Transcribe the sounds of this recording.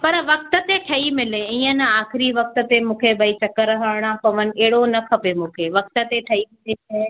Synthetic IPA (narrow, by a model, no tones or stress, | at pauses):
pɐɾʋɐk̚t̪ə̆t̪eʈʰɐimɪleiːə̃naːxɪɾiʋɐk̚t̪ə̆t̪emũːkʰebʱɐit͡ɕɐkəɾɐɦaɽɽ̃ãpɐʋənɪ̆ɛɦɪɽonɐkʰɐpemũːkʰeʋɐk̚t̪ə̆t̪eʈʰɐimɪleɐ